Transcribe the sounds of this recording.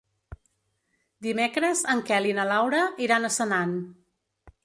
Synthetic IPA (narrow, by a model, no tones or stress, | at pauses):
d̪imekɾəzəŋkɛlinəlawɾəiɾanəsənan